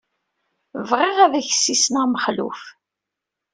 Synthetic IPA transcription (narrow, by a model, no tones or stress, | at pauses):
vʁɪʁæðæçə̥sːisnæʁməχlṵf